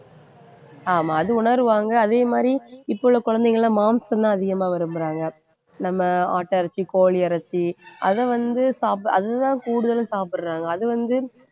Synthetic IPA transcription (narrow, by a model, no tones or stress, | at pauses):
aːmaːɐðɯʊɳɐɾɯʋaːŋɡɐːðeːmaːd̪ɾiɪpːɔɭːɐkʊɻɐnd̪ɛŋɡɐɭlãːmaːmsɐt̪ãːɐðɪɣɐmaːʋɐɾɯmbɯɾaːŋɡɐ | nɐmːɐaːʈːɐɾɐt͡ʃːikoːɭiɐɾɐt͡ʃːiɐðɛʋɐnd̪ɯsaːpɐðɯt̪ãːkuːɽɯðɐlɯ̃saːpɯɾɾaːŋɡɐːðɯʋɐnd̪ɯ